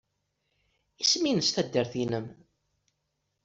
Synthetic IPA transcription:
isminəst̪æd̪ːəɾθinəm

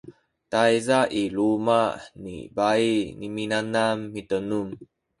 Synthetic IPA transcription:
tajzaʔilumanḭbainiminanamːitənum

